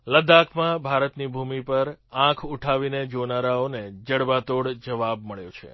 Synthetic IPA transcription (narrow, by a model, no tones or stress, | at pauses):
ləd̪ãkʰmãbʱaɾət̪nibʱumipəɾãkʰuʈʰaʋined͡ʒonaɾaoned͡ʒəɽbat̪oɽd͡ʒəʋabməɭjo̰t͡ʃʰḛ